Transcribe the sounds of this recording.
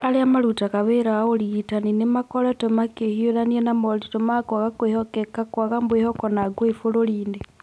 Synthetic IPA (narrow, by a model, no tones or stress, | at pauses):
aleamalutakaβeɾaolitaninemakoletomakehiolanienamolitomakwaaɣakwehokekakwaɣambwehokɔnaɡwefololiːne